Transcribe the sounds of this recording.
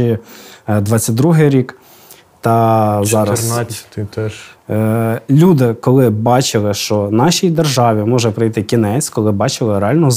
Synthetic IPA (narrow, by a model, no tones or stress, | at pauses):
i | d̪ʋɑt͡sʲːɐt̪̚ʲd̪ɾuɦɪjɾʲik | t̪ɐzɑɾɐst̪ɛ | lʲud̪ɪkɔlˠɪbɑt͡ʃɪlˠɪʃt͡ʃɔnɑʃʲijd̪erʒɑʋʲimɔʒɛpɾɪjt̪ɪkʲinɛt͡sʲkɔlˠɪbɑt͡ʃɪlˠɪɾeɑlʲnɔɔ